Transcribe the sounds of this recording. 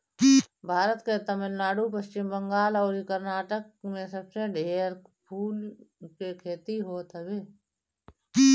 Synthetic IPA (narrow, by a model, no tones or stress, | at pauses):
bʱaːɾət̪ket̪əmənnaːɽupəst͡ʃɪmbə̃ŋɡaːlɔːɾikəɾnaːʈək̚mẽsəbseɖʱeːɾpʰuːlkekʰeːt̪iɦoːt̪ɦɛbeː